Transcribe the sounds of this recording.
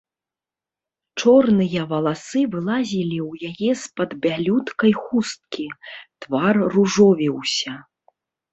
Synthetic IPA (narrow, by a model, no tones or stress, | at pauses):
t͡ʂɔrnɨjɐvɐlˠasɨvɨlˠazʲilʲiwjajɛspɐd̪bʲalʲut̪kɐjxust̪̚kʲit̪varːuʐɔvʲiwsʲɐ